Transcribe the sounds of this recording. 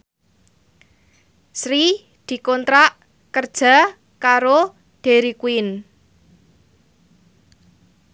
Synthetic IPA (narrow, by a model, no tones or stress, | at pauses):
sɾi | d̪̥i̤kɔnt̪ɾaʔ | kərd̥ʒ̥a̤ | kaɾo | ɖ̥e̤ɾikuɪn